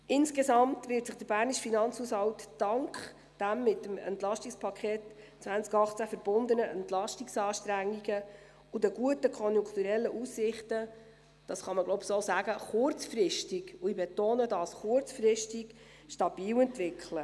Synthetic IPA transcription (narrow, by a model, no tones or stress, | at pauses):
ɪnskesɑmtvɪɾtsɪχd̥əɾbæːrniʃfinɑnt͡shushɑwtːɑŋkχ | d̥æmːɪtːəmɛ̰ntlɑʃtikspʰɑkʰχeːt | t͡sʋænt͡skɑχt͡sæfəɾb̥ʊnd̪ənəʔɛntlɑʃtiksɑːʃtɾæŋːiɡə | udəɡuətəkʰɔnjʊŋkχtuɾɛlːəʔusːɪχtə | d̥ɑːsχɑməɡ̥lɔwbsoːsæɡəχʊɾt͡sfrɪʃtiɡuibɛtoːnədɑːsχʊrt͡sfrɪʃtiɡ | ʃtɑbiːwɛntvʋɪkχlə